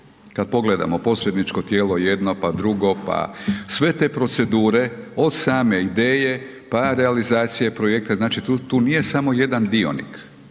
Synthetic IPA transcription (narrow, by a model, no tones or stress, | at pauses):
kad̪̚po̞ɡle̞d̪a̰mo̞po̞sɾed̪nit͡ʃko̞t̪je̞ːlo̞je̞d̪no̞pad̪ɾuɡo̞pa̰sʋe̞t̪e̞ːpɾo̞t̪se̞d̪uːɾe̞o̞d̪saːme̞id̪e̞ːje̞ | paɾealizaːt̪sije̞pɾo̞jek̚t̪eznaːt͡ʃit̪ut̪uːnije̞samo̞je̞d̪and̪io̞̰nḭk